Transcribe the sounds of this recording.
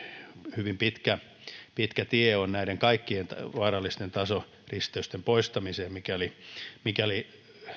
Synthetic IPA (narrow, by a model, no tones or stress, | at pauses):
hyʋimpit̪kæ | pit̪kæt̪ieonnæiɾeŋkɑikːient̪ɑʋɑːrɑlːist̪ent̪ɑso | rist̪eyst̪empoist̪ɑmiseːmmikæolimikæoli